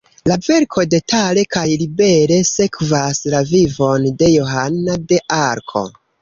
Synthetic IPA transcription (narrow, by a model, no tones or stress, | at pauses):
lave̞ɾkʰo̞de̞tʰale̞kajlibe̞ɾe̞se̞kvaslavivo̞nde̞jo̞ɦanade̞ʔaɾkʰo̞̰